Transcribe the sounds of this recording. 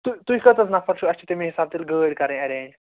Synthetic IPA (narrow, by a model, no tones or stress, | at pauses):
t̪uit̪uikət̪ət͡snafʰəɾʃuət͡ɕit̪emiɦisab̚t̪iːlɡəːɽkɐɾẽɛɾẽ